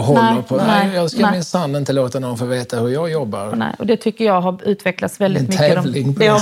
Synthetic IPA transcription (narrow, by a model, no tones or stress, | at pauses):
ɦɔllːəpʰɔnɛjɑːskamɪnsand̪ɪnt̪əloːt̪anɔnfoːɾveːt̪ahɵɾjɑːɡjɔbːa̰ɾnɛ̰ɔd̪ɛt̪ʰʏkːəjɑːɦaʉ̟ːt̪vɛklat̪svɛld̪ɪnmʏɛːəːɔvlɪŋʰ